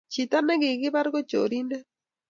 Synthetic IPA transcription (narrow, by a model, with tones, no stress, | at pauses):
t͡ʃi˨ta˦nɛ˦ɣɪ˨ɣɪ˦βa˦ɾɣo˦t͡ʃo̰˨ɾi˦ndɛ˦